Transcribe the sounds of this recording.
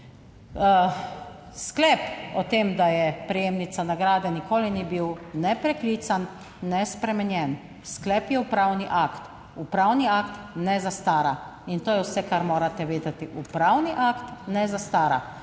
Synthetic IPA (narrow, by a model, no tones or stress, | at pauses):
sklɛpɔt̪eːmd̪ajɛpɾɛjeːmnit̪sanaɡɾaːd̪ɛnikoːlinibiwnɛpɾɛkliːt̪sanː | ɛspɾɛmɛnjɛːn | sklɛpjɛupɾawniʔakt̪ | upɾawniakt̪nɛzast̪aːɾaint̪oːjɛwsɛkaɾmoːɾat̪ɛʋeːd̪at̪iʔupɾawniʔakt̪nɛzast̪aːɾa̰